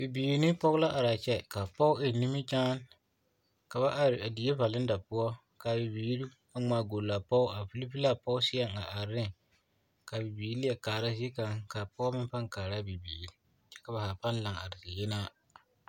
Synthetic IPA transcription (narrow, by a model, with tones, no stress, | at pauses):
b̥i˨biː˨ɾnɪ˦pɔ˦ɣʊ˦la˦ʔa˨ɾa˨t͡ʃɛ˦ka˨pɔ˦ʊ˦ɪ˨nɪ˦mɪ˦d͡ʒaː˦n | ka˨βa˦ʔa˨ɾɪ˨a˨di˨˦e˦va˨lɪ˦n˦da˨pʊ˦ɔ˦ | ka˨bɪ˨biː˨˦ɾi˦ | a˦ŋ͡maː˨ɡo˨la˨pɔ˦ʊ˦a˨fi˦li˦pi˦la˦˨pɔ˦ʊ˦sɪ˦ɛ˦ŋa˨ʔa˨ɾɪ˦ | ka˨bi˨biː˨˦li˦ɛ˨kaː˨ɾa˦sɪ˦e˦ka˨ŋka˨pɔ˦mɪ˦pa˦ŋkaː˨ɾa˦bi˨biː˨ɾi˦ | t͡ʃɛ̥˦ka˨ba˨haː˨pa˦n˦la˨ŋa̰˨ɾɪ˨sɪ˨jɛ˦na˦